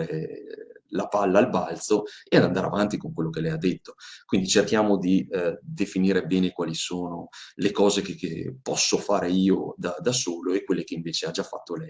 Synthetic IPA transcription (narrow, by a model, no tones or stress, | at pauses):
e | lapalːaːlbalt̪soead̪and̪aːɾḛa̰vant̪ikoŋkwelːokelɛjad̪ːet̪ːo̥kwind̪it͡ʃerkjaːmod̪id̪efiniːɾebɛːnekwaːlisoːnolekɔːzekekːḛpɔsːofaːɾeiːod̪ad̪asoːloekwelːekeiɱveːt͡ʃead͡ʒafːat̪ːolɛj